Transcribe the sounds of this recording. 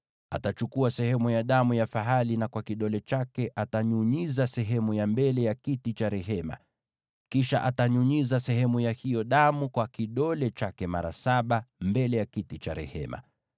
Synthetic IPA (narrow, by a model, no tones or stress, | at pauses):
a̰tat͡ʃukuasɛhɛmujaɗamujafaɦalinakwakiɗɔlɛt͡ʃakɛʔataɲuɲizasɛɦɛmujambɛlɛjakitit͡ʃaɾɛɦɛma̰ | kiʃa̰ʔataɲuɲizasɛɦɛmujahijɔɗamukwakiɗɔlɛt͡ʃakɛma̰ɾa̰saɓambɛlɛjakitit͡ʃaɾɛ̰hɛ̰ma̰